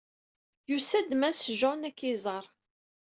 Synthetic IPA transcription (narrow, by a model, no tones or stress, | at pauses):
jusæd̪mæsʒonækːɪzˤəɾˤ